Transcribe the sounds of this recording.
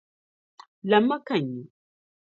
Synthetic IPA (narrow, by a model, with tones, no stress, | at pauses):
la˨ma˦ka˨ɲi˨